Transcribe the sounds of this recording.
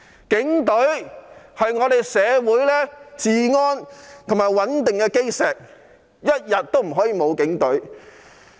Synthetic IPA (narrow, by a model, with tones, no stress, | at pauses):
kɪ˨˥ŋt̪ɵ˨˥ɥhɐ˨jŋɔː˨˧ɾe˨jsɛː˨˧wuː˨˥jlɛː˥t͡siː˨ŋɔː˥nt̪ʰʊ˨ŋmaː˨jwɐ˨˥nt̪ɪ˨ŋkɛː˧ke˥jsɛː˨˩k̚ | jɐ˥t̚jɐ˨t̚t̪o˥wm̩˨˩ɦɔː˨˥jiː˨˧mo˨˧wkɪ˨˥ŋt̪ɵ˨˥ɥ